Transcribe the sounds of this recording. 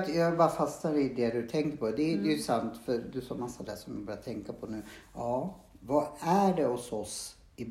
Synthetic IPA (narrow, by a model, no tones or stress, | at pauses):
t̪jɑbaɾfast̪aɾɪd̪ɛd̪ɵt̪ʰɛŋkəɾpʰɔd̪ɛd̪ɛjʉsant̪fœɾd̪ɵsɔɾmasːad̪æːʂɔmɪbɑːɾjat̪ʰɛŋkapʰɔnʉ̟ːɑːvɑæɖɛɔsɔs | ɪb